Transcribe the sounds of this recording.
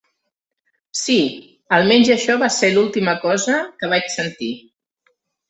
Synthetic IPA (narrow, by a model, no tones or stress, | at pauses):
si | əlˠmɛɲʲzəʃɔβaselulˠt̪iməkɔzəkəβ̞at͡ʃsənt̪i